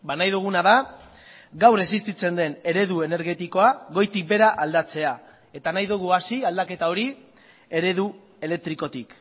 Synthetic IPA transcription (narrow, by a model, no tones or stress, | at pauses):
banajðuɣ̞unaða | ɡawre̞sist̪it͡se̞nd̪e̞ne̞ɾe̞ðue̞ne̞ɾɣe̞t̪iko̞aɣo̞jt̪ik̚be̞ɾaʔald̪at͡se̞a | e̞t̪anajðuɣ̞uasiald̪ake̞t̪ao̞ɾi | e̞ɾe̞ðu | e̞le̞k̚t̪ɾiko̞t̪ik